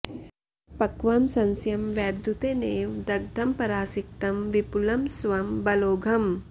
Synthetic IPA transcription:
pɐkʋɐmsɐnsjɐmʋjaːd̪ʱjut̪eːneːʋd̪ɐɡ̚d̪ʱɐmpɐɾaːsik̚t̪ɐmʋipulɐmsʋɐmbɐloːɡʱɐm

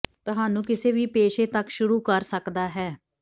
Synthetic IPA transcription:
t̪ʊɦaːnũːkɪseːʋiːpeːʃeːt̪əkʃʊɾuːkəɾsəkd̪aːɦɛː

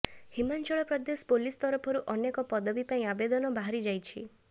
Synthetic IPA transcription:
himant͡ʃɔɭɔpɾɔd̪espolist̪ɔɾɔpʰɔɾuʔɔnekɔpɔd̪ɔbipaĩabed̪ɔnɔbaɦaɾid͡ʒajt͡ʃʰḭ

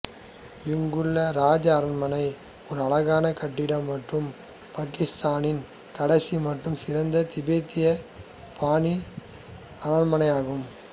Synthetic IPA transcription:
ʋɪŋɡɯɭːɐɾaːd͡ʒɐːɾɐɳmɐnɐɪ | ɔɾɯɐɭɐɣaːnɐkɐʈːɪɽɐmːɐʈrɯm | paːkɪst̪aːnɪn | kɐɽɐsimɐʈrɯmsɪɾɐnd̪ɐt̪ɪbeːt̪ːɪjɐ | pʰaːni | ɐɾɐnmɐnɐɪaːɣɯm

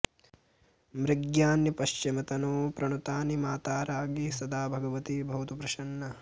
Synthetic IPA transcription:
mɾɪɡjaːnjipɐʃt͡ʃimɐt̪ɐnuːpɾɐɳut̪aːnimaːt̪aːɾaːɡisɐd̪ʱaːbʱɐɡɐʋɐt̪ibʱɐʋɐt̪upɾɐʃɐɳːɐ

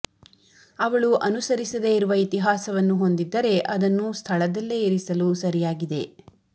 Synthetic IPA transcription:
ɐʋɐɭuʔɐnusɐɾisɐd̪eiɾuʋɐit̪iɦaːsɐʋɐnːuɦo̞nd̪id̪ːɐɾe̞ʔɐd̪ɐnːust̪ʰɐɭɐd̪ɐlːeːɾisɐlusɐɾijaːɡid̪e̞

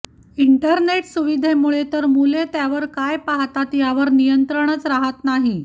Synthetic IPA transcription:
iɳʈəɾneʈsuʋid̪ʱemuɭet̪əɾmulet̪jaʋəɾkajpaɦt̪at̪jaʋəɾnijənt̪ɾəɳ̃ət͡sɾaɦət̪naɦi

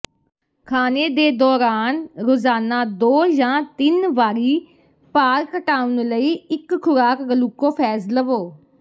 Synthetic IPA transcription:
kʰaːneːd̪eːd̪ɔːɾaːnɾoːzaːnaːd̪oːjãːt̪ɪnʋaːɾiː | paːɾkəʈaːʊnləiːɪkkʰːʊɾaːkɡəluːkːoːpʰɛːsləʋoː

